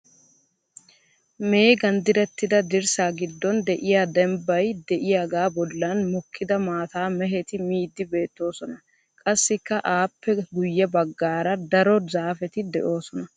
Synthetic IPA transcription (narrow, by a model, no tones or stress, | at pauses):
me̞ːɡɐnd̪ɪɾɛt̪ːɪd̪ɐd̪ɪɾsaːɡɪd̪ːɔnd̪ɛʔɪjaːd̪ɛmbːɐjd̪ɛʔɪjaɡaːbɔlːɐnmɔkʰːɪd̪ɐmaːt̪aːmɛɦɛt̪ɪmiːd̪ːɪbe̞ːt̪ːo̞ːsɔnɐ | kʼɐsːɪkːɐʔaːpːɛɡʊjːɛbɐɡːaːɾɐd̪ɐɾɔzaːfɛt̪ɪd̪ɛʔo̞ːsɔnɐ